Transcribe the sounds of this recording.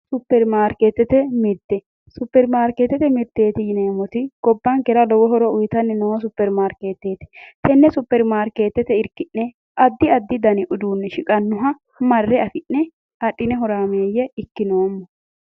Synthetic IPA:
sʊpːɛɾmaːɾkeːt̪ːɛt̪ɛmɪɾt̪ɛ | sʊpːɛɾmaːɾket̪ːɛt̪ɛmɪɾt̪ːe̞ːt̪ɪjɪneːmɔt̪ɪɡ̥ɔbːɐŋkɛɾɐlɔwɔɦɔɾɔʊjt̪ɐnːɛnɔwɐs̬ʊpːɛɾmaːɾkeːt̪ːeːt̪ɪ̥t̪ɛnːɛsʊpːɛɾmaːɾkeːt̪ːɛt̪ɛɪɾkɪʔːɛ | ʔɐd̪ːɪɐd̪ːɪd̪ɐnɪʔʊd̪uːnːɛʃɪkʼɐnːʊɦɐ | mɐrːɛɐfɪnːɛ | ɐɗːɪnɛɦɔɾaːmeːjɛɪkːɪnoːmːɔ

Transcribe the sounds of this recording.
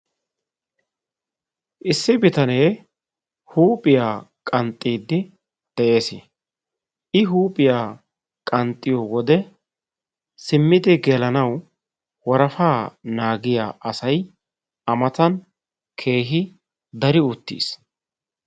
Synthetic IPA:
ʔɪsːɪbɪt̪ɐne̞ː | huːpʼɪjaːkʼɐnt̪ʼːiːd̪ːɪ | d̪̥ɛʔe̞ːsɪ̰ | ʔɪɦuːpʼɪjaː | kʼɐnt̪ʼːɪjoːwɔd̪ɛ | sɪmːɪd̪ɪɡɛlɐnɐw | wɔɾɐfaːnaːɡɪja̰ːʔɐsɐj | ɐmɐt̪ɐn | kʰe̞ːɦɪ | d̪ɐɾɪʊt̪ːḭːs

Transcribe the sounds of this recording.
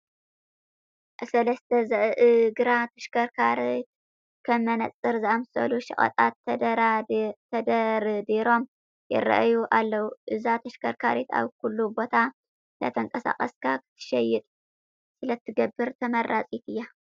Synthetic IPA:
ʔsɐlɐst̪ʰɐzɐʔʔɨɡɨɾat̪ʰɐʃkʰɐɾkʰaɾit̪ | kʰɐmɐnɐt͡sʼːɨɾzɨʔamsɐ̰luʃɪ̰χʼɐ̰t̪ʼat̪ːɐd̪ɐɾt̪ʰɐd̪ɐɾd̪iɾo̞m | jɛ̰ɾɐ̰ʔjuʔalːɐwuʔɨzat̪ʰɐʃkʰɐɾkʰaɾit̪a̰βkulːubo̞t̪ʰa | lɐ̰t̪ʰɐŋkʼɐsa̰kʼɐskʰakʰɨ̥t̪ʰːɨ̥ʃɐjɪt̪ʼ | sɨlɐt̪ʰːɨɡɐbːɨɾt̪ʰɐmɐrːat͡sʼit̪ʰɨjːa

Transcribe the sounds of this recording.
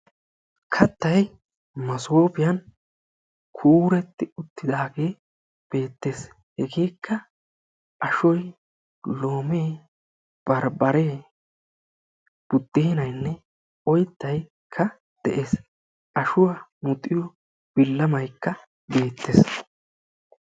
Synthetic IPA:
kʰɐt̪ːɐj | mɐsoːpɪjɐn | kʰuːɾɛt̪ːɪʊt̪ːɪd̪aːɡe̞ː | b̥e̞ːt̪ːe̞ːs | hɛɡeːkːɐ | ʔɐʃɔj | lo̞ːmeː | b̥ɐɾbɐɾeː | b̥ʊd̪ːeːɪnɐjnːɛ | ɔjt̪ːɐj | kʰːɐ | d̪̥ɛʔe̞ːs | ʔɐʃʊwamʊt̪ʼːɪjɔ | b̥ɪlːɐmɐjkːɐ | be̞ːt̪ʰːḛs

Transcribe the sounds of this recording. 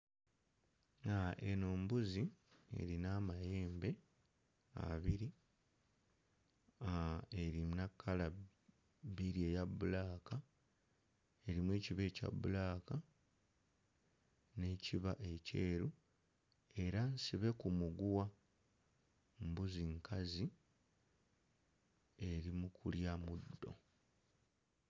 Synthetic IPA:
aʔeno̞ːmbuzie̞̰ɾinamaje̞ːmbe̞ | a̰βiɾi | ae̞ɾinakʰːala | biɾie̞jaβulaːka | e̞ɾimweːciβe̞ːca̰βṵlaːka | ne̞ːciβaʔe̞ce̞ːɾu | e̞ɾansiβe̞kumuɡuwa | mbuziŋkʰazi | e̞ɾimukʰuljamud̪ːo̞̰

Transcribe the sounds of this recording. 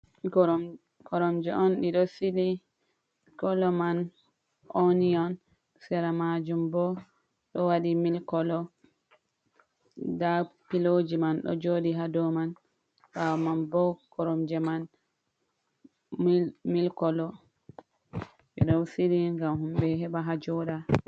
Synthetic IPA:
kɔɾɔmd͡ʒɛʔɔnɗiɗɔsiɗi | kɔlɔman | ʔoniɔn | sɛɾamad͡ʒumbɔ | ɗɔwaɗimilkɔlɔ | dapilod͡ʒimanɗɔ̰d͡ʒoɗiɦadɔman | bawmanbɔkɔɾɔmd͡ʒɛman | milkɔlɔ | ɗḭɗɔwsiliŋɡamhumɓɛɦɛɓaɦad͡ʒɔɗa

